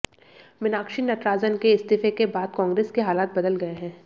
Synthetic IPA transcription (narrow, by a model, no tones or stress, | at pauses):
ʋɪnaːkʃinɐt̪ɾaːzənkeɪst̪iːfekebaːd̪̚kɔ̃ːŋɡɾeːskeɦaːlaːt̪̚bɐd̪əlɡɐeɦɛ̃ː